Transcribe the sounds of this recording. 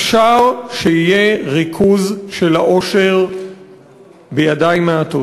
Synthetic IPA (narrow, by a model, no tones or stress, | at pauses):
ʃaʁʃeijeʁikʰuzʃelaʔo̞ʃe̞ʁ | bejadaimeato